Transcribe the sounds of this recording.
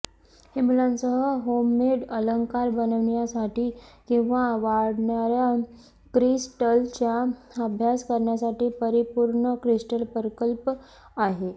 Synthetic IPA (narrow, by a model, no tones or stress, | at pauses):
himulãnsəɦəɦomːeɽələŋkaɾbənəʋɳjasaʈiːkĩw̃ʋaʋaɽɳaɾja | kɾisʈəlt͡ɕja | əbʱjaskəɾɳjasaʈiːpəɾipuɾɳəkɾisʈəlpəɾkəlp | aɦe